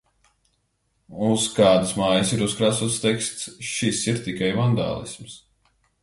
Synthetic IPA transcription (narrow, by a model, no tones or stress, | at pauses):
uskaːd̪ɨsmaːjəsiɾuskɾaːsuːt̪st̪ɛkst̪sʃisiɾt̪ikajvand̪a̰ːlˠḭsms